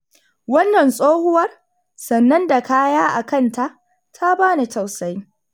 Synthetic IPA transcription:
wɐ˦nːɐ˨nsʼoː˦hʊ˦wɐ˦r | sɐ˨nːɐ˦nda˨kaː˦jaː˦ʔa˨kɐ˦˨nta˨ʔ | tʰa˦baː˦na˨ta˨wsa˦j

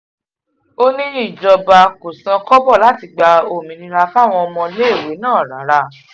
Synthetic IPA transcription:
o˦nĩ˦i˦˨d͡ʒɔ˧ba˧ko˨sã˧kɔ˦bɔ˦˨la˨˦ti˧ɡ͡ba˧o˨mĩ˨nĩ˧ɾa˧fa˦˨w̃ɔ̃˧ɔ˧mɔ̃˧le˦e˦˨we˨˦nãː˦˨ɾa̰˨˦ɾa˧

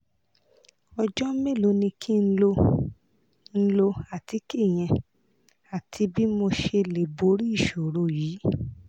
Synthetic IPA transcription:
ɔ˧d͡ʒɔ˦me˦˨lo˨˧˦nĩ˧kʰi˦n̩˦lo˧ | n̩˦lo˧a˨ti˨˦ki˦˨j̃ɛ̃˧ | a˨tʰi˧bi˦mo˧ʃe˧le˨bo˧˦ɾi˦i˦˨ʃo˨ɾo˧˨jiː˨˦

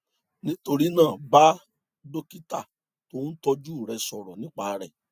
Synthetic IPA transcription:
nĩ˦to˧ɾi˦nãː˦˨ba˦ | do˦ki˦ta˦˨ | to˨˦n̩˦tɔ˧d͡ʒu˦˨ɾɛ˧sɔ˨ɾɔ̰˨nĩ˦k͡pa˦˨˧ɾɛ̰˨

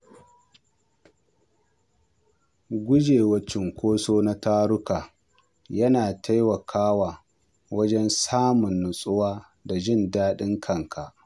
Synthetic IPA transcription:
ɡʷʊ˦d͡ʒeː˨wɐ˦t͡ʃɪ˨ŋkʷoː˦soː˦na˦taː˦ɽʊ˦kaː˨ | jɐ˦naː˨tʰa˦jwɐ˨kʰaː˦waː˨ | wɐ˦d͡ʒɛ˦nsaː˦mʊ˨nːʊ˨sʼʊ˦waː˦ | da˨d͡ʒɪ˦˨ndaː˦ɗɪ˦ŋkʰɐ˦˨ŋkʰa˨ʔ

